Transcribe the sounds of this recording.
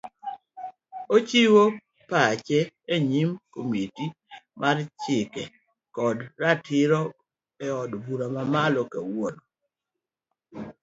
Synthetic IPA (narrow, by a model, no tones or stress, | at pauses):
ot͡ʃiwo | pat͡ʃɛeɲimkomiti | mʔart͡ʃɪkɛ | kɔdɾatʰɪɾɔ | ɛɔdbuɾamamalɔkɛwonɔ